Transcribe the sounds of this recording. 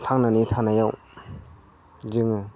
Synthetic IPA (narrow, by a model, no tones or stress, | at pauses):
t̪ʰaŋnanit̪ʰanajaʔ | d͡ʒiŋa